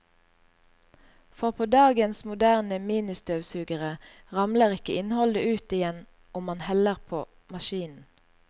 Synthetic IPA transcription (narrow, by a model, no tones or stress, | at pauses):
fɔʁpʰoːd̪ɑːɡənsmʊd̪æːʁnəmiːnɪst̪øːʋsʉːɡəʁə | ʁɑmləʁɪkəɪnhɔld̪əʉːt̪ɪjɛn | ʊmmɑnhɛləʁpʰoː | mɑʃiːnn̩